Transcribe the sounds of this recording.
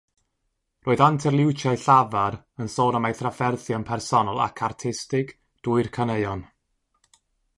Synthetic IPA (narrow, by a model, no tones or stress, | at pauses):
rʔoːɨðantʰɛrlˠɪwt͡ʃʰajɬavaɾ | ənsoːnamajθrafɛrθjɔnpʰɛrsɔnɔlˠa̰kʰartʰɪstɪk | d̥uɨrkʰanəɨɔn